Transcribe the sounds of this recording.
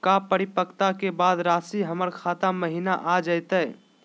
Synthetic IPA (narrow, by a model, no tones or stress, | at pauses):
kapəɾɪpəkt̪akebaːd̪ɾaːsiɦəməɾkʰaːt̪aməɦinaʔad͡ʒəjt̪ə